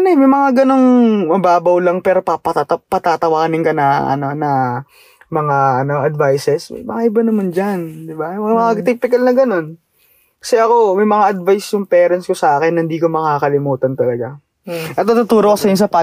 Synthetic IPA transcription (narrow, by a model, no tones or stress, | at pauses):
ɐnmɐjmɐŋaɡɐno̞ŋmɐbaːbɐwlɐŋpɛːɾo̞papɐɐt̪pɐt̪aːt̪ɐwaːkɐnɪŋkɐnɐʔɐ̰no̞nɐ | mɐŋaʔɐno̞ʔɐd̪vajsɛsmɐ̰jmɐŋaʔɪbanɐmand͡ʒɐnd̪ɪbamɐmɐat̪ɛk̚pɪkɐlnɐɡɐno̞n | kɐ̥sɛʔɐko̞mɐjmɐŋaʔɐd̪̚vajsjʊŋpɛːɾɐnskosɐʔaːkɛnːɐhɪnd̪iːkomɐkaːkɐlɪmuːt̪ɐnt̪ɐlɐɡa | ʔɐt̪̚nɐt̪ut̪uːɾokɐsɐjʊnsɐpa